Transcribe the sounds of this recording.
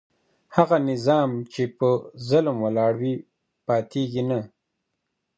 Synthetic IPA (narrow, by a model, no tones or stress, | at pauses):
haɣanɪzɑmt͡ʃepəzʊlmwəlɑɽwi | pɑt̪ʰeɡina